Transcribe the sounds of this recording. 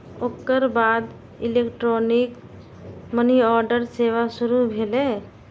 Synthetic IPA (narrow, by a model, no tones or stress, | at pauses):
okːəɾbad̪ | ilekʈɾonik | məniɔɾɖəɾseʋasuɾubʱele